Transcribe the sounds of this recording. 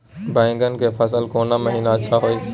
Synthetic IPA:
bãɪ̃ŋɡənkefəsəlkoːnaməɦiːnaət͡ʃʰaɦoːis

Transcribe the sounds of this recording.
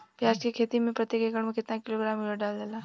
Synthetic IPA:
pjaːd͡ʒkekʰeːt̪imẽpɾɐt̪jekekəɽmẽkɪt̪nakɪloɡɾaːməɖaːld̪elaː

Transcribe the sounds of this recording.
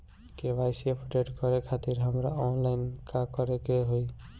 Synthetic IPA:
keʋajsiepʰuʈeʈkɔɾekʰat̪iɾɦəmɾaɔnlaɪnkakɔɾekeɦoj

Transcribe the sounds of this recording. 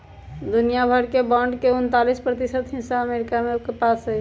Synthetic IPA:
d̪unijabʱəɾkebaɳɖkeunt̪alispɾət̪isət̪ɦĩnsaəmeɾikameokepasə

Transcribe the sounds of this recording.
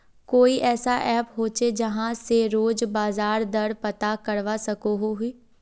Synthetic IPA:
koːiːʔɛːsaːʔɛːpɦoːt͡ʃeːd͡ʒəɦãːseːɾoːd͡ʒbaːzaːɾd̪əɽpət̪aːkəɽʋaːsəkoɦoːɦʊiː

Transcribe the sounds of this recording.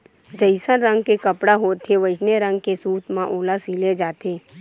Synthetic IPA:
d͡ʒəɪsənɾə̃ŋɡkekəpɽaɦoːt̪ʰːeʋəd͡ʒneɾə̃ŋɡ̚kesuːt̪mãʔoːlasiːled͡ʒaːt̪eː

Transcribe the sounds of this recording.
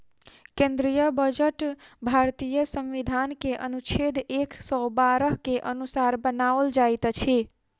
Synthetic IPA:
kẽnd̪ɾijəbəd͡ʒəʈbʱaɾt̪ijəsə̃mʋid̪ʱankeʔənut͡ʃʰed̪eksɔbaɾəɦkeʔənusaɾbənaʋəld͡ʒajt̪t͡ʃʰi

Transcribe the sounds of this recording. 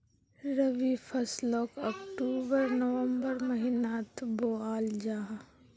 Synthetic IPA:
ɾəʋipʰɐslɔːkɔːkʈuːbəɾnəʋəmbəɾmɐɦɪnaːt̪boaːld͡ʒaːɦ

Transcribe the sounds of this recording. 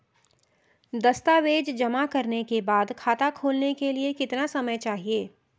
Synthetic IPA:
d̪ɐst̪aʋeːd͡ʒd͡ʒɐmakɐɾnekebaːd̪kʰaːt̪akʰoːlnekeliekɪt̪nasɐməjt͡ʃaːɦieː

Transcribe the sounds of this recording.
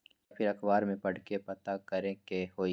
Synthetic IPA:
japʰɪɾɐkbaːɾmẽpɐɽkepɐt̪akɐɾẽkehoːi

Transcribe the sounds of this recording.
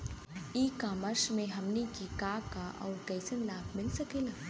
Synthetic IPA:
iːkaːməʃmẽɦɐmnikikaːkaʔɔ̰ːɾkɛːsənlaːbʰmɪlsɐkeːlaː

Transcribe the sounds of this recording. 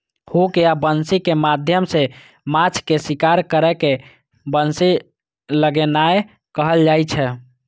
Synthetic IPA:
hukeabənsikemad̪ʱjəmse | mat͡ʃʰkesikaɾkəɾɛke | bənsi | ləɡɛnae | kəɦəld͡ʒajt͡ʃʰɛ

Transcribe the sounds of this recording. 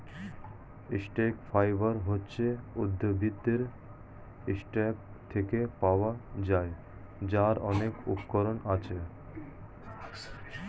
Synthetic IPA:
isʈekfajbaɾɦotːɕʰeud̪ʱːobʱid̪eɾ | isʈeɡ̚ | t̪ʰekepaoad͡ʑae | d͡ʑaɾɔnekṵpkoɾonat͡ɕʰe

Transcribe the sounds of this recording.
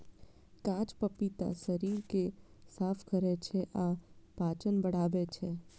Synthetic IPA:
kãt͡ʃpəpit̪a̰səɾiɾkesapʰkəɾet͡ʃʰeʔapat͡ʃənbəɽaʋet͡ʃʰe

